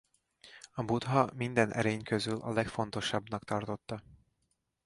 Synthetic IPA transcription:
ɒbud̪ɦɒmind̪ɛnʔɛ̰ɾeːɲkøzylʔɒ̰lɛkfo̞nt̪o̞ʃɒbnɒkt̪ɒrt̪o̞t̪ːɒ

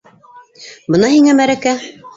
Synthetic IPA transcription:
bɤ̆nɑhiŋæmæɾækæ

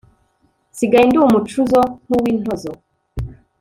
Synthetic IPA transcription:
siɡainduːmut͡ʃuzon̥uwiːn̥hozo

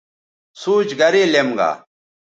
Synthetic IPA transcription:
suːt͡ɕɡɐɾelemɡa̰ː

